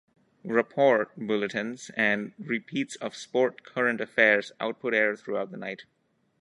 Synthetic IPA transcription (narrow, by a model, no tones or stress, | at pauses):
ɹɪpʰɔɹt̚bʊlətɨ̃nzɛ̃nɹɪpʰiːtsɔv̥spɔːɹʈ̚kʰʌɹə̃ntəfɛɹza̰ʊt̚pʰʊɾɛɹθɹuaʊt̚ðənaɪt